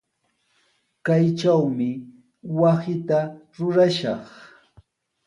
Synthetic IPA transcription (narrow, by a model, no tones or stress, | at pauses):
kajt͡ʃawmɪ | wasɪt̪aɾʊɾaʃɑχ